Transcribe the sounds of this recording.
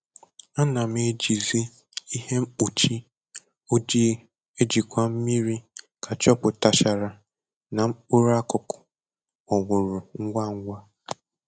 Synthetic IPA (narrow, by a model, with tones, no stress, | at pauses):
a˦na˨m˦e˨˦d͡ʒi˨zi˦ | i˦he˦m̩˦k͡pu˨t͡ʃi˦ | o˦d͡ʒi˦ | e˦d͡ʒi˨kʷa˦m̩˦mi˦ɾi˦ | kʰa˨t͡ʃɔ˦pʊ˨ta˨ʃa˨ɾa˨ | na˨m̩˦k͡pʊ˦ɾa˦kʊ˨kʊ̥˨ | ɔ˨ŋʷʊ˨ɾʊ˨ŋ̩˦ɡʷa˦˨ŋ̩˦ɡʷa˦